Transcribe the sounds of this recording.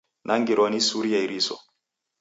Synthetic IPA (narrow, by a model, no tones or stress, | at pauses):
nʔaŋɡiɾɔnisuɾiaiɾisɔ̰